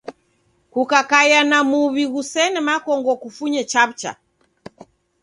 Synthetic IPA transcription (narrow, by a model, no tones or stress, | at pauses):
kukakajanamuβiɣusɛnɛmakɔŋɡɔkufuɲɛt͡ʃaβ̚t͡ʃa̰